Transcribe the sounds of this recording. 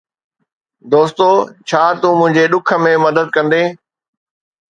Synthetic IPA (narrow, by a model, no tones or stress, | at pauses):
d̪oːst̪oːt͡ɕʰaːt̪umʊ̃ɦɪ̃ɲd͡ʑeɗʊkʰə̆mẽmɐd̪əd̪̚kɐ̃nd̪eː